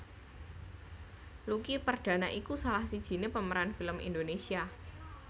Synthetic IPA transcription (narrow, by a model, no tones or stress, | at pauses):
lukipərɖ̥ä̤naʔikusalahsid̥ʒ̥i̤nepəməɾanfiləmḭndonesia